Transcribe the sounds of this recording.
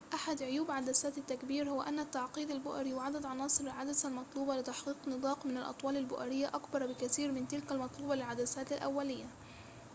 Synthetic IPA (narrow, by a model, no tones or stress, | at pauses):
ʔaħad̪ʕʊjuːbʕad̪asaːt̪at̪ːakbiːɾhʊwaʔanːat̪ːaʕqiːd̪albʊʔaɾiwɪʕad̪ad̪ʕɑnɑːsˤɨɾalʕad̪asalmɑt̪ˤluːbɑlɪt̪aħqiːqnɨd̪ˤɑːqmɪnalʔɑ̰t̪ˤwɑːlalbʊʔaɾɪjːaʔakbɑɾˤbɪkaθiːɾmɪnt̪ɪlkalmɑt̪ˤluːbɑlɪlʕad̪asaːt̪alʔa̰wːalɪjːa